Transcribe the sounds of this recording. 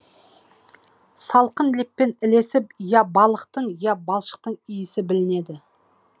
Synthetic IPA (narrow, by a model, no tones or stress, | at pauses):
sɑlˠqənlepːe̞nɪle̞sɪp̚jɑbɑlˠəqt̪əɴjɑbɑlˠʃə̥q̚t̪əɴʏjɪsɪbɪlɪne̞d̪ɪ